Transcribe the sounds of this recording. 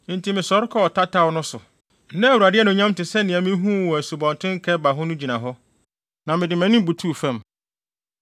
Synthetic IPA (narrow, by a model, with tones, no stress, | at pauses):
n̩˦tʰi˨mɪ̃˨sɔ˨˦ɾɪ˦kʰɔ˦ɔ˨tʰa˦tʰa˦wnʊ̃˦sʊ˨˦ | nɛ̃˦˨wu˨a˨dɪ˦ɛ˦nʊ̃˨ɲã˦m˦tɪ˨sɛ˦nɪ̃˨æ̃˨mɪ̃˦ɦũ˦˨wɔ˨æ˨su˨bɔ̃˨n˨tʰɪ̃˦ŋ˦kʰɛ˦ba˨ɦʊ˦nʊ̃˦d͡ʑi˨nã˨ɦɔ˦ | nã˨mɪ̃˨dɪ˨mɛ̃˨˦nɪ̃˦bu˨tʰu˦˨fɛ̃˦˨m